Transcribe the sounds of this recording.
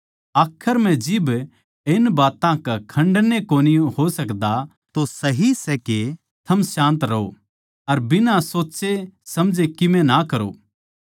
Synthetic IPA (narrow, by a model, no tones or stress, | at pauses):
aːkʰəɾm̤ɛ̃d͡ʒɪb | ɪnbaːt̪ãkakʰɐ̃ɳɖnekoːnɪjõhosɐkd̪a | t̪osɐɦisɛke | t̪ʰɐmsãːnt̪ɾɐo̰ | ɐɾbɪnãsoːt͡ʃesɐmd͡ʒekɪmɛ̃nakɐɾo̰ː